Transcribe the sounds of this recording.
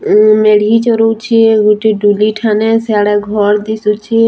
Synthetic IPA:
meɽit͡ʃɔɾot͡ʃʰiɡuʈiɖuliʈʰanɛsaːɽɛɡʱɔɾd̪isut͡ʃʰi

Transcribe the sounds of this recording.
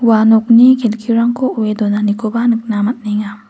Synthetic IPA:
wanɔk̚nikʰelkʰiɾaŋkʰouedonanikʰobanɯk̚namat̚niŋa

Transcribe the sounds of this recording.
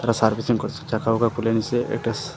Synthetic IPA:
ɾasaɾbisiŋkəɾt̪u̥t͡ɕakaʋukakʰulaniseʔḛkʈəs

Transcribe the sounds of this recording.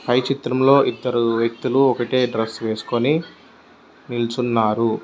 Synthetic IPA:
pʰɐjt͡ʃit̪ɾɐmlo̞ːʔid̪ːɐɾuʋjɐk̚t̪uluɔkɐʈe̞ːɖɾɐsʋe̞ːsu̥ko̞ni | nilt͡ʃunːaːɾu

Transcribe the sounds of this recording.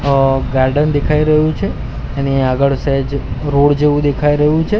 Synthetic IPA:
ɡaɾɖənd̪ekʰaiɾəɦjũt͡ʃʰeː | niaɡəɭsed͡ʒɾoɽd͡ʒeʋũd̪ekʰaiɾəɦjũt͡ʃʰe

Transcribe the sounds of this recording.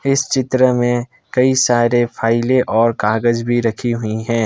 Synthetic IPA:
ɪst͡ʃɪt̪ɾəmẽ | kɐisaːɾepʰaːɪleʔɔːɾkaːɡəd͡ʒbʱiɾɐkʰiɦʊiɦɛ̃ː

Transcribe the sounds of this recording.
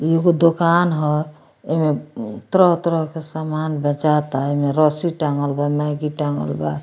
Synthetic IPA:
jiɡod̪okanɦɔ | emet̪ɾɔɦt̪ɾɔɦkesamanbɛ̃t͡ʃat̪aemeɾɔsiʈaŋɡəlbamaɡiʈaŋɡə̰lba̰

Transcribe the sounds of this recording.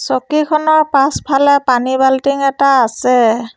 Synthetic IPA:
sɔkikʰɔnɔɹpaspʰalɛpanibaltiŋɛtaːsɛ

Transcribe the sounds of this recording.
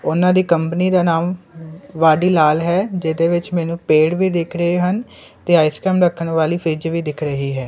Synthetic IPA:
ʊnãːd̪iːkəmpəniːd̪aːnaːmʋaːɖiːlaːlɦɛːd͡ʒeːd̪eːʋɪt͡ʃmɛːnũːpeːɽʋiːd̪ɪkʰɾəɦeːɦən | t̪eːaːɪskɛːmɾəkʰːənʋaːliːpʰɾiːd͡ʒʋiːd̪ɪkʰɾəɦiːɦɛː

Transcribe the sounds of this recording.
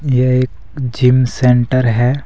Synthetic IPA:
jeeːk | d͡ʒɪmsẽɳʈəɾɦɛː

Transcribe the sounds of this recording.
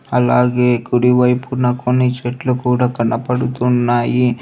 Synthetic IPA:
ɐlaːɡeːkuɽiʋɐjpuɾnɐkonːit͡ʃeʈlukuːɽaːkɐɳːɐpɐɽut̪unːaːji

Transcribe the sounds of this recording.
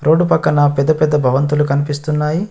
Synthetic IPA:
ɾʔo̞ːɖupɐkːɐnɐpɛd̪ːɐpɛd̪ːɐbʱɐʋɐnt̪ulukɐnipist̪unːaːji

